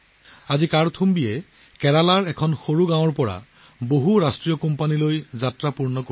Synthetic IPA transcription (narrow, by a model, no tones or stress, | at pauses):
azikaɹtʰumbijɛ | kɛɹalaɹɛkʰɔnxoɹuɡãw̃ɔɹpɔɹa̰ | boɦuɹastɹijɔkɔmpanilojzatɹapuɹnɔko